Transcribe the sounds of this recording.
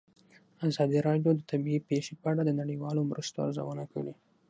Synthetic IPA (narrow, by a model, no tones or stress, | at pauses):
azɑd̪iɾɑɖjod̪ət̪abiipeʃepəaɽad̪ənaɽiwɑlomɾʔəst̪oa̰ɾza̰wənakəɽi